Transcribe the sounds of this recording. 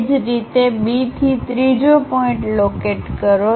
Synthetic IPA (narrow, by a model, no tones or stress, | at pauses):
d͡ʒɾit̪ebit̪ʰit̪ɾid͡ʑopɔɪ̃ɳʈlokeʈkəɾo